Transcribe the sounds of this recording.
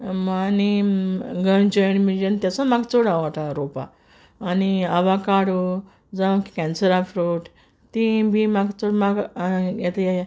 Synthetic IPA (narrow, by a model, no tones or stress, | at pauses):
mani | ɡəɳd͡ʑəɳmid͡ʑənt̪jat͡sɔ̃maɡt͡sɔɽaʋaʈaɾopa̰ː | niaʋakaɽu | d͡zaki̥kɛ̃nsəɾãfɾoʈ | t̪ibimaɡt͡sɔɽmaɡjɛt̪ajaj